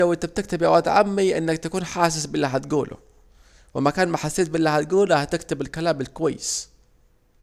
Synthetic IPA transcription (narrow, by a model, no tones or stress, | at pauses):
awʔɪnt̪ab̚t̪ɪkt̪ɪbjawaːd̪ʕa̰mːiʔɪ̰nːɪk̚t̪akuːnħaːs̬ɪsbɪlːiɦat̪ɡuːlʔʊ̰ | wɪmækaːnmaħasːeːt̪bɪlːihat̪̚ɡuːlhæt̪ɪkt̪ɪbɪlkalaːmɪlkowajːɪs